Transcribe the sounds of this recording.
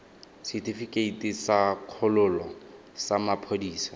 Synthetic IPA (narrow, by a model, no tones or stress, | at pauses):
sitʰifikʼeitʼisaq͡χʰʊlʊlɔ | samapʰodiːsḁ